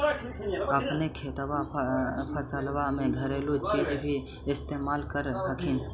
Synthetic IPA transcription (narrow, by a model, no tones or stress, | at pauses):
əpnekʰeːt̪wapʰəsəlwamẽɡʱəɾeːlut͡ʃid͡ʒbʱi | ɪst̪eːmaːlkəɾɦəkʰin